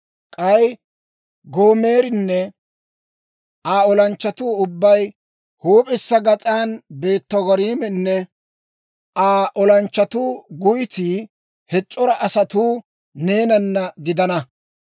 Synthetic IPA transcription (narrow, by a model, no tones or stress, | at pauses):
kʼɐj | ɡo̞ːme̞ːɾɪnːɛ | ʔaːɔlɐnt͡ʃːɐt̪uːʊbːɐj | huːpʼɪsːɐɡɐt͡sʼaːnbe̞ːt̪ːɔɡɔɾiːmɛnːɛ | ʔaːʔɔlɐnt͡ʃːɐt̪uːɡʊjɪt̪i | hɛt͡ʃʼːɔɾɐʔɐsɐt̪uː | ne̞ːnɐnːɐɡɪd̪ɐnɐ